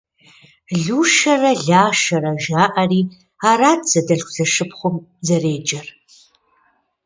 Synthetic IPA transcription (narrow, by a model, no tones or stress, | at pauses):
ɮuːʃɐrɐɮaːʃɐɾɐʒaːʔɐriː | aːɾaːtz̥ɐdɐɬxʷz̥ɐʂɨpχʷʊmzɐreːd͡ʒɐr